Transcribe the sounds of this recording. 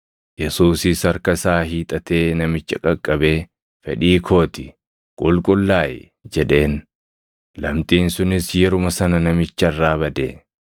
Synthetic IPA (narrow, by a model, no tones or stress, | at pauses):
jɛsuːsɪsɐɾkɐsaːɦiːt̪ʼɐt̪e̞ːnɐmɪt͡ʃːɐkʼɐkʼːɐbe̞ː | fɛᶑiːkʰo̞ːt̪ɪ | kʼʊlkʼʊlːaːjɛ | d͡ʒɛᶑe̞ːn | lɐmt̪ʼiːnsʊnɪsjɛɾʊmɐsɐnɐnɐmɪt͡ʃːɐrːaːbɐd̪ḛː